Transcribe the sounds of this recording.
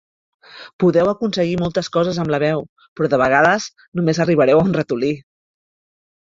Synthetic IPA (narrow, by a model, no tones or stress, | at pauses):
puðɛwəkunsəɣimɔlˠt̪əskɔzəzəmləβɛw | pɾɔðəβ̞əɣ̞aðəz | numezəriβ̞əɾɛwaunrət̪uli